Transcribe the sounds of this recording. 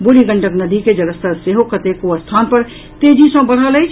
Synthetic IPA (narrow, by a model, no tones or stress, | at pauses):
bʊɾiɡə̃ɳʈəknəd̪iked͡ʒɐɡəst̪əɾseɦokət̪ekoəst̪ʰaːnpəɾ | t̪eːd͡ʒisɐ̃bəɽ̤ələjt͡ʃʰ